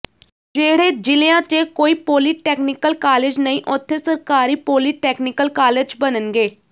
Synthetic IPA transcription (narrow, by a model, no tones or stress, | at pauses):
d͡ʒeːɽeːd͡ʒɪleãːt͡ʃeːkoːiːpoːliːʈeːknɪkəlkaːleːd͡ʒnəĩːʔʊt̪ʰːeːsəɾkaːɾiːpoːliːʈɛːknɪkəlkaːleːd͡ʒbənənɡeː